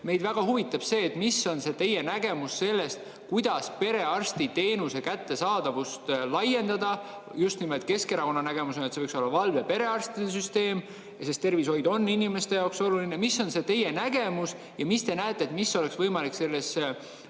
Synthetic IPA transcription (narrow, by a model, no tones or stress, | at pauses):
me̞jd̪væɡ̥ɑhuvit̪ːˑɑb̥se̞ːt̪misːo̞nse̞t̪e̞jːe̞næɡ̥e̞musːe̞lːe̞st̪ | kujd̪̥ɑspe̞ɾe̞ɑrst̪it̪e̞ːnuse̞kæt̪ːe̞sɑːd̪̥ɑvust̪lɑje̞nd̪̥ɑd̪ɑ | just̪nimod̪̥̚ʲke̞ske̞ɾɑko̞nːɑnæɡ̥e̞musonet̪seɤjkso̞lːɑvɑlvepe̞ɾe̞ɑrst̪id̪es̬yst̪e̞ːm | sest̪e̞rviso̞jd̪o̞nːinime̞st̪e̞jɑwkso̞luline̞misːo̞nse̞t̪e̞jenæɡ̥e̞mus | jɑmist̪e̞næet̪ːˑeːt̪misːo̞le̞ksvɤjmɑlikse̞lːe̞s